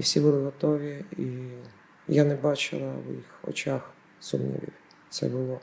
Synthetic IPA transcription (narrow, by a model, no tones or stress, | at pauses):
wsʲibʊlˠɪɦɔt̪ɔʋʲii | janɛbɑt͡ʃɪ̰lˠɐwjixɔ̰t͡ʃʲax | sʊmnʲḭʋʲḭw | t̪sɛ̰bʊlˠɔ